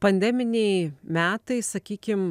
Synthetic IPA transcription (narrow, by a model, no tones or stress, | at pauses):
pɐnʲd̪ʲɛmʲɪnʲɛɪmʲæːt̪ɐɪsɐkʲiːkʲɪm